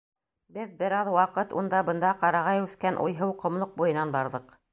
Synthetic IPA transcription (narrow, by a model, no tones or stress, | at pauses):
bɘðbɘ̆ɾɑðwɑqɤt̪ṵnd̪ɑbɤ̆nd̪ɑqɑɾɑʁɑjʉθkænʔṵjɦɤwqŏmlˠoq̚bujɤ̆nɑnbɑɾðɤq